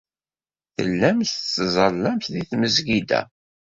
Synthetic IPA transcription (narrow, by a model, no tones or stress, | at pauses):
θə̰lːæmθt͡sːzˤəlːæmθðiθməzɡid̪æ̰